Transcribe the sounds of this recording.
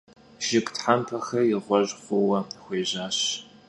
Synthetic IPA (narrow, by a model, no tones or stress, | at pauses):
ʒ̥ɪkʼtħampʰɐxɐjɪʁʷɔʑʼqʷʊwɐxʷeːʑaːɕ